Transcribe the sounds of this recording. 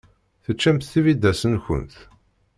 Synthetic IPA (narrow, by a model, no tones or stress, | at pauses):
θət͡ʃːæmθθivid̪ːæsənçə̰nθ